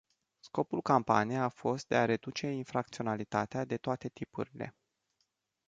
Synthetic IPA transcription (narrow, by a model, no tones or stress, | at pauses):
sko̞pulkampa̰nijeafo̞st̪̚d̪e̞aɾe̞d̪ut͡ʃe̞infɾak̚t̪sio̞nalit̪at̪ead̪e̞t̪oat̪e̞t̪ipuɾile̞̰